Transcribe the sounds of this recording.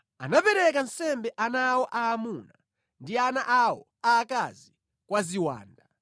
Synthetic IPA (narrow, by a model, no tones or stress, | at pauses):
a̰napɛɾɛk̬an̩sɛmbɛʔanawɔʔaːmuna | ndianaʔawɔ | aːkazi | kwaziwa̰ːnda